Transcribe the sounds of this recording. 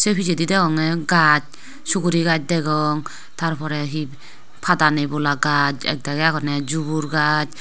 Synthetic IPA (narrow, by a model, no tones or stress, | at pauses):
sepʰid͡ʒedidɛɡɔŋɛɡat͡ʃ̚ | sukuɾiɡat͡ʃ̚dɛɡɔŋ | tʰaɾpʰɔɾɛɦi | pʰadanebɔlaɡad͡ʒɛ̰k̚daɡɛakʰɔnɛd͡ʒubuɾɡad͡ʒ